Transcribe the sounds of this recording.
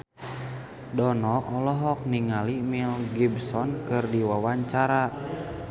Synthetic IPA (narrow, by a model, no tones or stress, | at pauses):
dɔnɔʔɔlɔɦɔk̚niŋalimilɡibsɔnkɨrdiwawaɲt͡ʃaɾa